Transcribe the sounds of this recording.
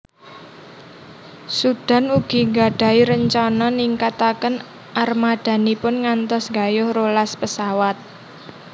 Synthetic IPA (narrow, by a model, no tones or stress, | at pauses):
sud̥a̤nuɡ̥i̤ŋɡaɖ̥a̤iɾəɲt͡ʃɔnɔniŋkat̪akən | ʔarmad̪̥ä̤nipʊnŋant̪ɔsŋɡajʊhrolaspəsawat̪̚